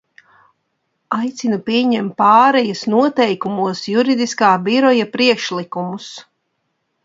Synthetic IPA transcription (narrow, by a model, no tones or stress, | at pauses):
ajt̪sinupiɛɲɛmt̪̚ːaːɾɛjasnuɔt̪ɛjkumuɔsjuɾid̪iskaːbiɾɔjapɾiɛkʃlikumus